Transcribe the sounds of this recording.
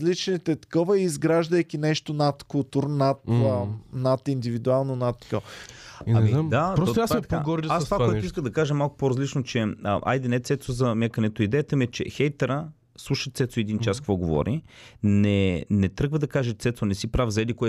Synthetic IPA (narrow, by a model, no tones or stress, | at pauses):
zlit͡ʃnit̪ɛt̪ɐ̥kɔvəiizɡɾaʒd̪əjkʲinɛʃt̪onat̪kʊlˠt̪uɾnat̪ | nat̪ind̪ivid̪ualˠnonat̪ːkɔ | ɐmiad̪adpɾɔsot̪asɛpoaɡɔɾd̪asvakkoɔɛt̪ʊiskəmd̪ɐkaʒəmalˠkʊ̥poɾɐzlit͡ʃnot͡ʃɛʔa̰jd̪ɛnɛt̪sɛt̪sozɐmɛkənɛt̪oid̪ɛjət̪əmiɛt͡ʃɛ̰xɛjt̪ɛɾə | slˠuʃət̪sɛt̪soɛd̪int͡ʃaskəkvɔɡovɔ̰ɾi | nɛnɛt̪ɾɤɡvəd̪ɐkaʒət̪sɛt̪sonɛsipɾavzɐɛd̪ikʊɛ